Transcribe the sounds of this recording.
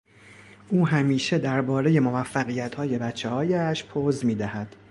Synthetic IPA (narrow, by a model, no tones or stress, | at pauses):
ʔuːɦæmiːʃe̞d̪æɾbɒːɾe̞je̞movæfːæɣijæt̪hɒːje̞bæt̪t͡ʃʰːehɒːjæʃpʰoːzmiːd̪æhæd̪̥